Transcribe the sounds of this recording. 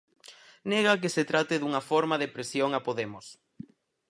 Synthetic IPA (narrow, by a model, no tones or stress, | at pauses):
nɛɣ̞ɐk̬eset̪ɾat̪ɪðuŋɐfoɾmaðepɾesjoŋapoðemʊs